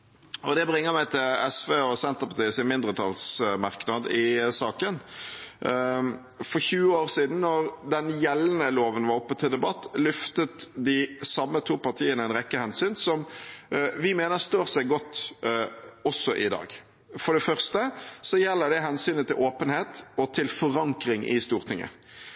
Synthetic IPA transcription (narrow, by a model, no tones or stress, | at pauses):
ɔd̪ɛbɾɪŋːəmæɪt̪ʰɪlɛsʋeːɔsɛnt̪əʁpʰɑt̪iːəsɪnmɪnd̪ʁət̪ʰɑlsmɑʁknɑd̪ɪsɑːkən | fɔɾçʉːəoːɾsiːd̪n̩nːɔɾd̪ɛnjɛlnəloːʋənʋɑɾɔpːət̪ʰɪld̪ɛbɑt̪ːlʏft̪ət̪d̪ɪsɑmːət̪ʰuːpɑʁt̪ʰiːənəɛɪnʁɛkːəhɛnsyːnsɔm | ʋɪmeːnəɾst̪øːɾsæɪɡɔt̪ː | ɔsːɔʔɪd̪ɑ̰ːɡ | fɔɖɛfœʁst̪əsɔjɛlːəɖɛɦɛnsyːnət̪ʰɪlʔoːpənheːt̪ɔt̪ʰɪlfɔʁɑŋkɾɪŋʔɪ̰st̪uːɾt̪ʰɪŋːə̰